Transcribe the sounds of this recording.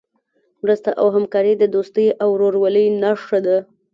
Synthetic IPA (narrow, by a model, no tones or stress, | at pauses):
mɾəst̪aʔawɦamkɑɾəd̪əd̪ost̪əjʔawɾoɾwaləjnaʂʈad̪a